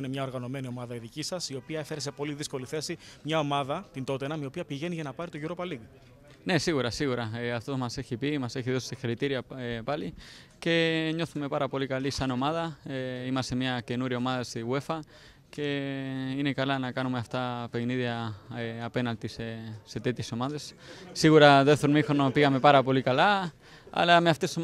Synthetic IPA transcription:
inemɲɐoɾɣɐno̞me̞niomɐðɐiðicisɐsio̞piɐefeɾes̬e̞po̞liðisko̞liθe̞simɲɐo̞mɐðɐt̪int̪o̞t̪enɐmiopiɐpiʝe̞niʝɐnɐpɐɾit̪oʝiɾo̞pɐliði | ne̞siɣuɾɐsiɣuɾɐeaft̪omɐseçipimɐseçiðossiçeɾit̪iɾiɐepali | ce̞ɲo̞θume̞paɾɐpo̞likalisɐno̞maðɐeimɐsemiɐce̞nuɾio̞maðɐsiɣwe̞fɐ | ce̞ine̞kalanɐkanumeaft̪ape̞kniðjɐeːpe̞nalt̪isese̞t̪et̪jeso̞maðe̞ssiɣuɾɐðeθomixonopiɣame̞paɾɐpo̞likala | ɐ̰lɐmeaft̪eso

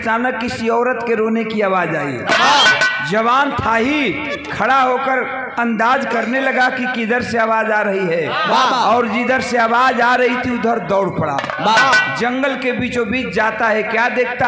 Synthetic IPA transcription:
t͡ʃaːnəkːɪsiɔːɾət̪keɾoːnekiaːʋaːd͡ʒaːḭɦɛ̰ | d͡ʒɐʋaːnt̪ʰaːɦi | kʰɐɽaɦoːkəɾ | ɐ̃nd̪aːd͡ʒkəɾnelɐɡakikid̪əɾseaːʋaːd͡ʒaːɾɐɦiɦɛːbaɔːɾd͡ʒid̪əɾseaːʋaːd͡ʒaːɾɐɦit̪ʰiʊd̪ʱəɾd̪ɔːɽpəɽa̰ | bad͡ʒɐ̃ŋɡəlkebiːt͡ʃobiːt͡ʃʰd͡ʒaːt̪aɦɛkjaːd̪eːk̚ʰt̪a

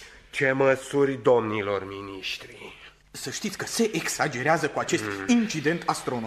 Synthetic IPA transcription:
t͡ʃe̞məsurʲd̪o̞mnilo̞rminiʃt̪ɾi | səʃt̪it̪sʲkəse̞ʔeksad͡ʒe̞ɾeazəkuat͡ʃe̞st̪int͡ʃid̪e̞nt̪ʰast̪ɾo̞no

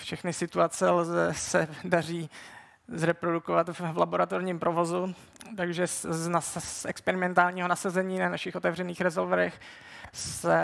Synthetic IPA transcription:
fʃɛxnɪsɪt̪uat͡sɛlzɛsɛdar̝iː | zɾɛpɾo̞dukovat̪vlaboɾat̪oɾɲiːmpɾʔo̞vo̞zu | t̪aɡʒɛznaɛkspɛɾɪmɛnt̪aːlɲiːɦonasazɛɲiːnanaʃɪxʔot̪ɛvrɛniːxɾɛzolvɛɾɛx | sɛ

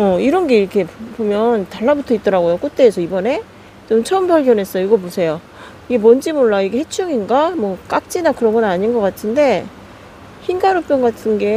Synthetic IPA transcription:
ʌiɾʌnɡe̞iɾʌkʰe̞pomjʌntaɭːabutʰʌit͈ʌɾaɡojok͈ot̚t͈e̞ːsʰʌibʌne̞ | t͡ɕomt͡ɕʰʌɯmbaɭɡjʌnɦe̞s͈ʌjoiɡʌp̬osʰe̞jo | iɡe̞mʌnd͡ʑimoɭːaiɡe̞he̞t͡ɕʰuŋinɡamwʌk͈ak̚t͡ɕ͈inakɯɾʌnŋɡʌnaɲinɡʌk͈atʰɯnde̞ | çinɡaɾop͈jʌŋɡatʰɯnɡe̞

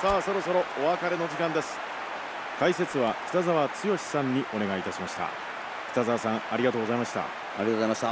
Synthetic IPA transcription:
saːso̞ɾo̞so̞ɾo̞oβakaɾe̞nod͡ʑikãnd̪esɨ̥ | kaise̞t͡sɨβakʲi̥t̪azaβat͡sɨjo̞ɕi̥sãɲ̟ːiʔo̞ne̞ɡaiːt̪aɕimaɕi̥t̪a̰ | kʲi̥t̪azaβasãŋ̃aɾʲiɡat̪oːɡo̞zaimaɕi̥t̪a̰ | aɾʲiatoamaɕt̪a

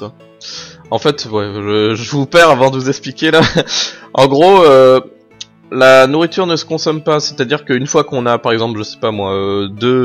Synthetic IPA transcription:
kwa | ɑ̃fɛt̪wɛʒəʒəvupɛʁavɑ̃d̪əvuzɛksplikʲela | ɑ̃ɡʁoø | lanuʁit̪yʁnəsə̥kɔ̃sɔmpasɛ̥t̪ad̪iʁkəynfwakɔ̃napaʁɛɡzɑ̃plʒəsɛ̥pamwaød̪ø

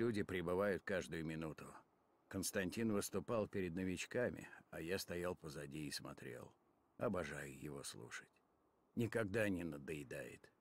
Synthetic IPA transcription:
lʲudʲɪpɾʲɪbɨvajʊt̪̚kaʐd̪ʊjʊmʲɪnut̪ʊ | kənst̪ɐnʲtʲinvɨst̪ʊpɑlˠpʲɪɾʲɪd̪̚nəvʲɪt͡ɕkamʲɪ̰ɐjast̪ɐjalˠpəzɐdʲiːsmɐ̰t̪ɾʲḛlˠ | ɐbɐʐajʊjɪvo̞̰slˠṵʂə̥tʲ | nʲɪkɐɡ̚d̪anʲɪnəd̪əjɪd̪ajɪ̰t̪

